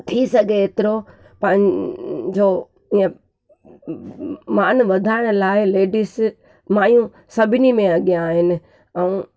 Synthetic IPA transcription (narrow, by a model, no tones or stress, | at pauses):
t̪ʰisɐɡʱeeːt̪ɪɾo | pɐ̃ɦɪ̃d͡ʑo | iə̃ | maːnʋɐd̪ʱaːɪɽ̃ʊlaːɪleːɖɪs | maːjũ | sɐbʱɪnimẽɐɠijãːɦɪnɪ̆ | ɛ̃